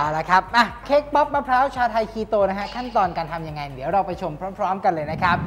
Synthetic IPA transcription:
ʔaː˨˧˩la˦˥kʰa˦˥p̚ʔa˧˩kʰeː˦˥k̚pɔ˦˥p̚ma˧pʰɾaː˦˥wt͡ɕʰaː˧wt̪ʰa˧jkʰiː˧t̪oː˧na˦˥kʰa˦˥kʰa˥˩nt̪ɔː˧nkaː˧nt̪ʰa˧mja˧ŋːa˧jd̪i˩˦wɾa˧wpa˧jt͡ɕʰo˧mpʰɾɔː˦˥mpʰɾɔː˦˥mka˧nlɤː˧jna˦˥kʰɾa˦˥p̚

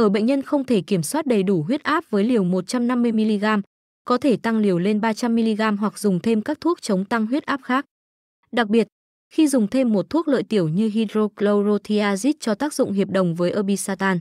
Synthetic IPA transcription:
ʔəː˧˩ɓə̰˧˨ŋ̟ɲə˧nxə˧wŋ͡mt̪ʰe˧˩ki˧˩əmswaː˦˥t̚ɗə˨˩jɗu˧˩ɦwi˦˥ət̚ʔaː˦˥p̚vəː˨˦jli˨˩əwmo˨˩t̚t͡ɕa˧mna˧mːɨ˧əjmi˧li˧ɣaː˧m | kɔ˨˦t̪ʰe˧˩t̪a˧ŋli˨˩əwle˧nɓaː˧t͡ɕa˧mːi˧li˧ɣaː˧mɦwa˨˩k̚zʊ˨˩ŋ͡mt̪ʰe˧mkaː˦˥k̚t̪ʰu˦˥ək̚t͡ɕə˨˦wŋ͡mt̪a˧ŋɦwi˦˥ət̚ʔaː˦˥p̚xaː˦˥k̚ | ɗa˨˩k̚ɓi˨˩ət̚ | xi˧zʊ˨˩ŋ͡mt̪ʰe˧mːo˨˩t̚t̪ʰu˦˥ək̚lə̰ː˧˨jt̪i˧˩əwɲɨ˧ɦi˧dɾo˧klo˧wɾo˧t̪ʰi˧aː˧zi˦˥t̚t͡ɕɔ˧t̪aː˦˥k̚zʊ̰˧˨ŋ͡mɦi˨˩əp̚ɗə̰˨˩wŋ͡mvəː˨˦jʔəː˧ɓi˧saː˧t̪aː˧n

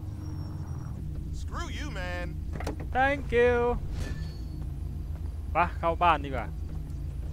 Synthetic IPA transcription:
skɹujɨmænt̪ʰɛ˧˥ŋkju˧ | pa˧˥kʰa˧˩wbaː˧˥˨ndiː˧˩wa̰ː˧˩

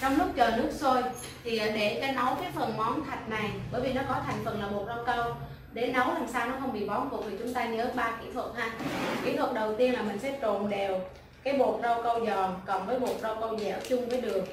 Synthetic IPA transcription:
t͡ɕɔ˧wŋ͡mlʊ˦˥k͡p̚t͡ɕəː˨˩nɨ˦˥ək̚so˧j | t̪ʰi˨˩˨ɗe˧˩kaː˨˦jnə˨˦wkaː˨˦jfə˨˩nmɔ˨˦nt̪ʰa˨˩jk̟̚na˨˩jɓəː˧˩jvi˨˩nɔ˨˦kɔ˨˦t̪ʰa˨˩jŋ̟fə˨˩nlaː˨˩mo˨˩t̚zə˧wkə˧w | ɗe˧˩nə˨˦wla˨˩msaː˧wnɔ˨˦xə˧wŋ͡mɓḭ˧˨ɓɔ˨˦nku˨˩t̪ʰi˨˩t͡ɕʊ˨˦ŋ͡mt̪aː˧ɲəː˨˦ɓaː˧kḭ˧˥t̪wə˨˩t̚haː˧kḭ˧˩˥t̪ʰwə˨˩t̚ɗə˨˩wt̪i˧ənlaː˨˩mï˨˩ŋ̟sɛ̰˧˥t͡ɕo˨˩nɗe˨˩w | kaː˨˦jɓo˨˩ət̚zə˧wkə˧wzɔ˨˩kɔ˨˩nvəː˨˦jɓo˨˩t̚zə˧wkə˧wzɛ̰˧˩wt͡ɕʊ˧ŋ͡mvəː˨˦jɗɨ˨˩ək̚

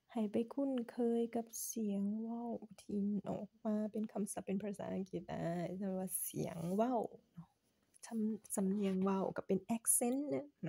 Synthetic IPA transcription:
ha˨˩jpa˨jkʰu˧˥˨nkʰɤː˧jka˧˦p̚si˨˩˦əŋwa˧˥˩wt̪ʰiː˧˩nʔɔ̰ː˨˩k̚maː˧pe˧nkʰa˧msa˨˦pːe˧npʰaː˧sa̰ː˨˧˦ʔa̰˧ŋki˧˩t̪̚da̰˧˩ja˧˩bp̚waː˧sḭ˨˦əŋwa˧˥˩wnɔ˧˥˩ | sʰa˧msa˧mni˧əŋwa˧˩wka˧˩pe˧˨nʔɛ˧˥k̚se˧˥˨nːɯ˧˥ŋnɔ˧˦

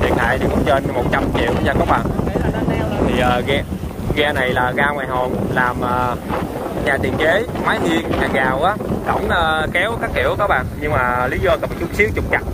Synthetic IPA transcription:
t̪ʰi˨˩t̪̚ʰa̰ː˧˨jt̪i˨˩kʊ̰˧˥˦ŋ͡mt͡ɕe˧nmo˨˩t̚t͡ɕa˧mt͡ɕḭ˧˨əwɲaː˧˩kɔ˨˦ɓa̰ː˧˨n˨˦la˨˦a˨˦nɛ˨˧˦wt̪ʰi˨˩ʔəː˨˩ɣɛ˧ | ɣɛ˧na˨˩jlaː˨˩ɣaː˧ŋwaː˨˩jɦo˨˩nlaː˨˩mʔəː˨˩ | ɲaː˨˩t̪ḭ˨˩ənt͡ɕe˨˦maː˨˦jt̪i˧əŋɲaː˨˩ɣaː˨˩wʔaː˨˦kə̰˧˩wŋ͡mʔəː˧˩kɛ˨˦wkaː˦˥kːḭ˧˨əwkɔ˨˦ɓa̰ː˧˨nɲɨ˧ŋmaː˨˩li˨˦zɔ˧kə˨˩mt͡ɕɨ˦ək̚si˦˥k̚t͡ɕʊ˨˩k͡p̚t͡ɕa˨˩t̚

